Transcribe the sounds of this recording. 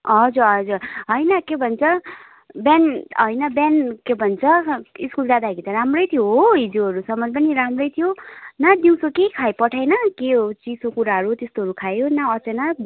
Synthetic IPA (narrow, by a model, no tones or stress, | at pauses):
ɦʌd͡zuɾɦʌd͡zuɾɦʌjnʌkebʱʌnt͡sʰʌ | banɦʌjnʌbankebʱʌnt͡sʰʌiskuld͡zad̪aɦɡit̪ʌɾamrʌjt̪ʰijoɦoɦid͡zoɦʌɾusʌmʌjp̬ʌniɾamrʌjt̪ʰijonad̪iw̃sokekʰajpʌʈʰajnʌkeɦot͡sisokuɾaɦʌɾut̪est̪oɦʌɾukʰajonaʌt͡sena